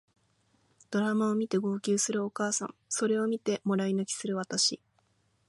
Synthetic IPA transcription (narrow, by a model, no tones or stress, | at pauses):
d̪̥o̞ɾamao̞mʲit̪e̞ɡo̞ːkʲɨːsɨɾɯ̟o̞kaːsã̰ŋ̃so̞ɾe̞o̞mʲit̪e̞mo̞ɾainakʲi̥sɨɾɯ̟βat̪aɕi